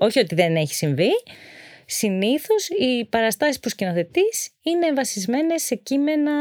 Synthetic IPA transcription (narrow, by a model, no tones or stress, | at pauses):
o̞çio̞t̪iðe̞ne̞çi̥siɱvi | siniθo̞sipɐɾɐst̪ɐsispuscinoθe̞t̪isineːɱvɐsizme̞ne̞sːe̞cime̞nɐ